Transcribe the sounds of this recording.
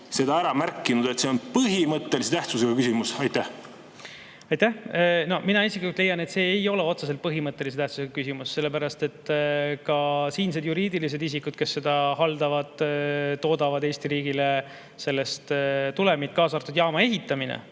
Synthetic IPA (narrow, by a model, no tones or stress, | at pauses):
se̞d̪ɑæɾɑmærkːˑinud̪̥et̪se̞onpɯɦimɤt̪ːe̞lise̞t̪æht̪suseɡ̥ɑkysimusɑjt̪æh | ɑjt̪æhno̞minɑisiklikult̪le̞jɑne̞t̪se̞ːejo̞le̞o̞t̪ses̬elt̪̚pɤɦimɤt̪ˑːe̞lis̬e̞t̪æht̪su̥seɡ̥ɑkysimusːe̞lːe̞pæɾɑst̪e̞t̪ːkɑsiːns̬ed̪juɾiːd̪ilis̬e̞d̪isikːˑud̪̥̚ke̞sːe̞d̪̥ɑhɑld̪̥ɑvɑd̪̥t̪o̞ːd̪̥ɑvɑd̪e̞ːst̪iɾiːɡile | se̞lːe̞st̪t̪ule̞mit̪̚kɑːsɑrt̪ːˑud̪jɑːmɑe̞ɦit̪ːˑɑminḛ